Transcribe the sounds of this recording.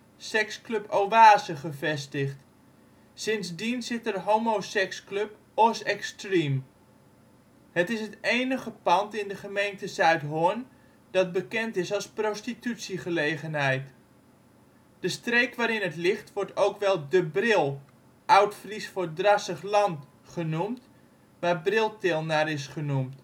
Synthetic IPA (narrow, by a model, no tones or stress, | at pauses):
sɛksklɵpowʋaːzəχəvɛstəχt | sɪnzdinzɪtərɦowmosɛksklɵp | ɔsɛkstrim | hətɪsɦətejnəχəpɑntɪndəχəmejntəzœɥtɦʊən | d̥ɑt̚bəkɛntɪsɑlˠsprostitytsiχəlejχənɦɛjt | d̥əstrejkʋaːɾɪnɦətlɪχtʋɔɹtowkʋɛlˠdəbrɪlˠ | ʔawtfrisfʊdrɑsəχlɑnt | χənumt | ʋaːrbrɪlˠtɪlˠnaːɾɪsχənumt